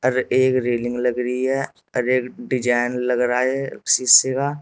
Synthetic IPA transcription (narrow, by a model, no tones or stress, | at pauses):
ɐɾeːkɾeːlɪ̃ŋɡlɐɡɾəɦiɦɛ | ɔɾeːkɖɪd͡ʒaːɪnlɐɡɾaːɛsiːsekaː